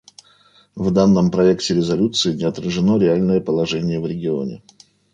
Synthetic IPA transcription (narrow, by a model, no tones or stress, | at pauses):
vd̪anːəmpɾɐektʲɪɾʲɪzɐlʲut̪sɨɪnʲɪɐt̪ɾəʐɨno̞ɾʲɪalʲnəjəpəlˠɐʐɛnʲɪjəvɾʲɪɡʲɪo̞̰nʲɪ̰